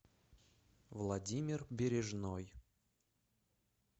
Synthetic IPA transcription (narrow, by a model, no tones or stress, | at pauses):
vlˠɐdʲimʲɪrbʲɪɾʲɪʐnoj